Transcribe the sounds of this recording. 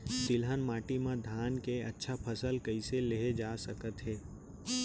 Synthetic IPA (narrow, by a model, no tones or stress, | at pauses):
t̪ɪlɦənmaːʈimãd̪ʱaːnkeɐtːʃʰapʰəsəlkəiseleɦed͡ʒaːsəkət̪ɦɛː